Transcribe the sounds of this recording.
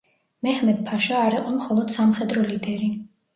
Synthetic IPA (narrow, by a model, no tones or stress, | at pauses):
mɛhmɛd̪̚pʰaʃaːɾiqʼɔmχɔlˠɔd̪̥samχɛd̪ɾɔlid̪ɛɾi